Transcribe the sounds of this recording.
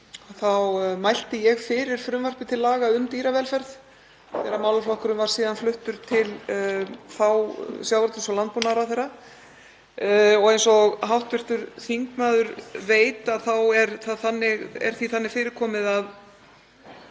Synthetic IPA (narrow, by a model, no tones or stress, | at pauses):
θawmajl̥t̪ɪjɛɣfɪːɾɪɾ̥fɾʏmvar̥pɪt̪ʰɪlːaːɣaʏmt̪iːɾavɛlfɛɾð | θɛɾamaːwlʏflɔhkʏɾʏmvaɾ̥siːðanflʏht̪ʏɾ̥t̪ʰɪl | θawsjawvɾt̪ʏsɔlant̪̚punaɾaθɛjrːa | ɔɣejnsɔɣɦawht̪vɪr̥t̪ʏɾθiŋkmaːðʏɾveːjt̪aðθawɛɾθaθanːɪɣɛ̰ɾ̥θviθanːɪfɪːɾɪɾkʰɔːmɪðað